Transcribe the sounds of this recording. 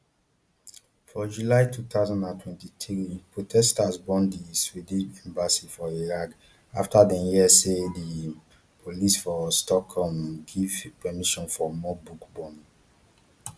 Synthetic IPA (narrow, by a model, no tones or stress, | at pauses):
fɔd͡ʒulaɪtut̪aʊzãndãntʰwɛ̃ntitʰɹipɹotʰɛstasbɔ̃ndiswidiɛ̃mbasifɔiɹak | a̰ftadɛ̃njiɛsedi | pʰolisfɔstɔkʰhɔmɡivepɛmiʃɔ̃nfɔmɔbukbɔ̃n